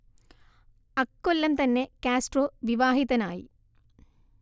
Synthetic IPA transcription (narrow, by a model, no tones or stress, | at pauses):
ɐkːolːɐmt̪ɐnːe̞kaːsʈroːʋiʋaːɦiðɐnaːjḭ